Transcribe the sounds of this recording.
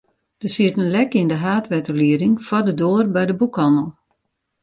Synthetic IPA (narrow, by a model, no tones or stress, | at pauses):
d̥əsiətənlɛkindəɦaːtʋɛtərliəɾɪŋfɔdədoərbɛjdəbukɑnəlˠ